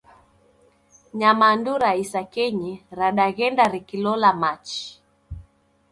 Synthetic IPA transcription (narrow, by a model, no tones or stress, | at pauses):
ɲamanduɾaisakɛɲiɾaɗaɣɛndaɾikilɔlamat͡ʃi̥